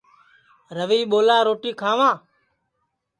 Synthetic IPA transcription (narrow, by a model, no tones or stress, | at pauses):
ɾəʋiːɓoːlaːɾoːʈiːkʰaːʋãː